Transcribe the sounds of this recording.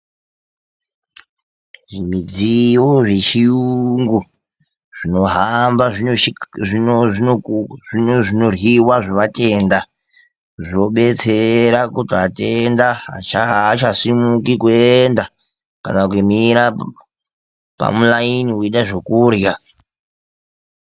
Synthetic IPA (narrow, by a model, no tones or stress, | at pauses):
ʐimid͡ziwoʐet͡ʃijuŋɡu | ʐ̥ino̞ɦambaʐiii | iʐino̞rwiwaʐiʋate̞ːnda | ʐio̞ɓe̞t͡seɾakutiatendaɦat͡ʃaat͡ʃasimukikueenda | ka̰nakumiɾa | pa̰mulainiiɗaʐokuːrja